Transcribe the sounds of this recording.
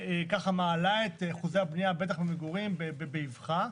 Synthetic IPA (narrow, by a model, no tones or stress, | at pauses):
ekaχamaːlaet̪χuzejabnijabe̞t̪̬aχbemeɡuʁimbebebeivχa